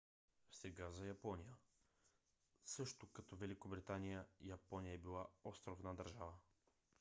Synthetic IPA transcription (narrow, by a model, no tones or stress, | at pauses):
sɛɡazɐjɐpɔnijə | sɤʃt̪okɐt̪ɔvɛlikobɾit̪anijəjɐpɔnijəɛbilˠaɔst̪ɾovnəd̪ɐɾʒavə